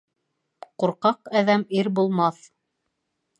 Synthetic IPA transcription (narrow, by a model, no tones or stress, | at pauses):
quɾqɑqæðæmiɾbulˠmɑθ